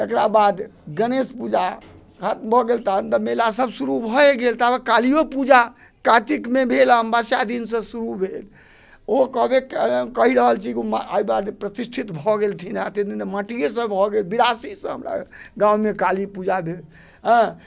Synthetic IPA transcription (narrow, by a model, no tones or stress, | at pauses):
t̪ekɾabad̪ɡənespud͡ʒa | kʰat̪̚mbʱɔɡelt̪ant̪əmelasəbsuɾubʱɔeɡelt̪aekalijopud͡ʒa | kat̪ikmebʱelɦəmbasad̪insə̃suɾubʱel | okɔbekkəɦiɾəɦəlt͡ʃʰikma̰ibad̪pɾət̪isʈʰit̪bʱɔɡelt̪ʰinat̪ed̪inemaʈijesəbbʱɔɡelbiɾasisə̃ɦə̰mɾa̰ɡãmekalipud͡ʒabʱel | ɦə̃